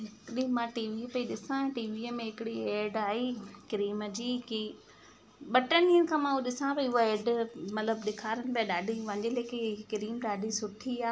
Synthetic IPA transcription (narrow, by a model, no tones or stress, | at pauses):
ɦɪkɪɗimãːʈiːʋipɐiɗɪsãʈiːʋiːəmẽɦɪkɪɽieːɖaːɦikɾiːməd͡ʑiːki | ɓɐʈəniːənɪkʰãmãːuɗɪsãpɐʊɦoeːɖmɐt̪ləbɗɪkʰaːɾənɪ̆piaɗaːɖʱiʋɐ̃ɲd͡ʑeleːkekɪɾiːmɗaːɖʱisʊʈʰiaː